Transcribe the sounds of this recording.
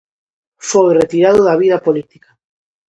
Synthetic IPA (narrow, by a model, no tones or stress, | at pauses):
fojret̪iɾaðʊðɐβiðɐpolit̪i̥ka